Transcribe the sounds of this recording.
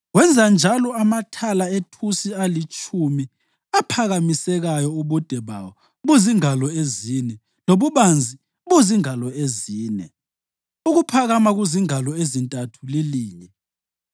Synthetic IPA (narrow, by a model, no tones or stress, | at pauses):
wɛnd͡zʱand͡ʒʱalɔamatʰalaetʰusialit͡ʃʰʼumi | apʰaɣamisɛɣajɔuβɔd̥ʱɛβa̰wɔ | βuziŋalɔezinɛ | loβuβand͡zʱi | βuziŋalɔeziːnɛ̰ | uɣupʰaɣamaɣuziŋalɔezintʼatʰuliliːɲɛ